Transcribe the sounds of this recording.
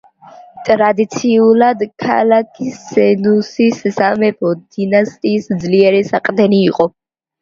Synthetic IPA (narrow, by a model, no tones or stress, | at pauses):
t̪ʼɾad̪it̪sʰiulad̪kʰa̰lakʰisɛnusissamɛbʰɔd̪inast̪ʼiːsd̪zliɛɾɛsaqʼd̪ɛniːqʼɔ